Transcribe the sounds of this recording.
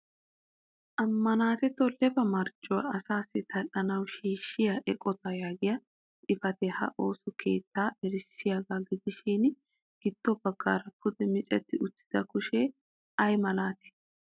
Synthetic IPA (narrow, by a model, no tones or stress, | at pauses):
ʔɐmːɐnaːt̪ɛt̪ːɔlɛbɐmɐɾt͡ʃʼːɔw̰ɐsaːsːɪt̪ʰɐʔɐnɐwʃiːʃːɪjɐʔɛkʼɔt̪ɐjaːɡɪjɐ | ᶑɪfɐt̪ɛhɐ̰ʔo̞ːsʊkʰe̞̰ːt̪ʰːaːɛɾɪsːɪjaɡaːɡɪd̪ɪʃin | ɡ̥ɪd̪ːɔbɐɡːa̰ːɾɐpʰʊd̪ɛmɪt͡ʃʼɛt̪ːɪʔʊt̪ːɪ̥d̪̥ɐkʊʃɛ | ɐjmɐlaːt̪ɪ̥